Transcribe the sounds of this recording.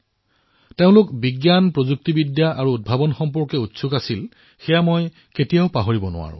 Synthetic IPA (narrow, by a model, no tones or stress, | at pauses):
teʊ̃lʊkbiɡjanpɹozuk̚tibidjaʔaɹuːd̚bʱabɔnxɔmpɔɹkɛutsʊkasil | xɛjamoj | ketijaʊpaɦoɹibɔnʊ̰a̰ɹʊ̰̃